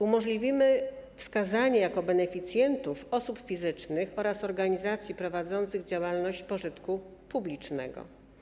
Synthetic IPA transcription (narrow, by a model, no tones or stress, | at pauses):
umɔʐlʲivʲimɘfskazaɲɛjakɔbɛnɛfʲit̪sʲjɛnt̪ufɔsupfʲizɘt͡ʂnɘxɔɾasɔɾɡaɲizat̪sʲjipɾɔvad̪zɔnt̪sɘɣd͡ʑawalnɔɕt͡ɕpɔʐɘt̪kupublʲit͡ʂnɛ̰ɡɔ̰